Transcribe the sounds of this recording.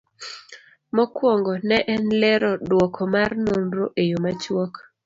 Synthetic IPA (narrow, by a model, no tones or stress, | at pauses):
mɔkwɔŋɡɔnɛʔɛnlɛɾɔdwɔkʰɔmarnomɾoʔejomat͡ʃwɔk